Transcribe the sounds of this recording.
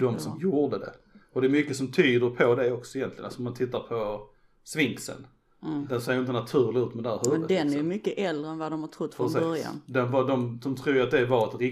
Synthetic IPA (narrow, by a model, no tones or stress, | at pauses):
d̪ɔmsɔmjuːɖəd̪ɛ̰ɔd̪ɛːɾmʏkːəsɔmt̪ʰyːd̪əɾpʰɔd̪ɛɔksɔɪjɛnt̪lɪɡə̰na̰sɔmant̪ʰɪt̪ːaɾpʰɔ | svɪŋksə̰n | d̪ɛnseːɾjɪnt̪ənat̪ʰʉ̟ːɾlɪʉ̟ːt̪mɛd̪ɛhæːɾhʉːəd̪ɛnæɾjjmʏkːəʔɛld̪ɾəɛnvad̪ɔmhaʈ̪ʰɾʊt̪ːfɔsœɾja̰nd̪ɛnvɑd̪ɔmd̪ɔmt̪ʰɾuːɾjat̪̚d̪ɛvɑɾɛt̪ɛɾɪ